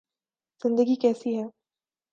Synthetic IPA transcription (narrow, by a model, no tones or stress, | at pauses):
z̥ɪ̃nd̪əɡikɛːsiɦɛː